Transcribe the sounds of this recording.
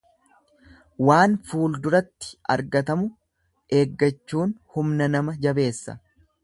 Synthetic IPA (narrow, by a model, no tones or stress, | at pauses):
waːnfuːld̪ʊɾɐt̪ːɪ̥ʔɐ̰ɾɡɐt̪ɐmʊ | ʔe̞ːɡːɐt͡ʃːuːnhʊmnɐnɐmɐd͡ʒɐbe̞ːsːɐ̰